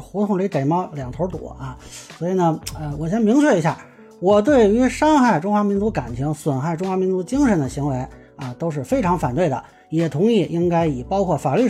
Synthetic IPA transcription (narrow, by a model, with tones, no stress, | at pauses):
xu˧˥t̪ʰʊ˧˥ŋli˧˥t̪e˨˩ɪmɑ˥˩ʊljɑ˨˩ŋt̪ʰo˧˥t̪ṵ˨˩˦ɐ˧swɔ˧˥i˨˩nə˧ə˧wɔ˨˩ɕjɛ˧˥nmi˧˥ŋt͡ɕʰɥɛ˥˩i˧˥ɕja̰˥˩ | wɔ˨˩t̪̬we˥˩ɪy˧˥ʂɑ˥ŋxa˥˩ɪʈ͡ʂʊ˥ŋxwa˧˥mi˧˥nt͡su˧˥ka˨˩nt͡ɕʰi˧˥ŋswə˨˩nxa˥˩ɪʈ͡ʂʊ˥ŋxwa˧˥mi˧˥nt͡su˧˥t͡ɕi˥ŋʂə˧˥nd̪ə˨˧ɕi˧˥ŋwe˧˥ɪ | ɐ˧t̪o˥ʊʂ̬ɻ̩˥˩fe˥ɪʈ͡ʂʰɑ˧˥ŋfa˨˩nt̪we˥˩ɪd̪ə̰˩ | jɛ˨˩t̪ʰʊ˧˥ŋi˥˩ʔi˥ŋka˥ɪi˨˩pɑ˥ʊkʰwɔ˥˩fa˨˩ly˥˩